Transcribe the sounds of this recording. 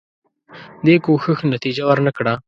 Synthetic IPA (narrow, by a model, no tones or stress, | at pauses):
d̪ekoxəxnat̪id͡ʒawəɾnakɽa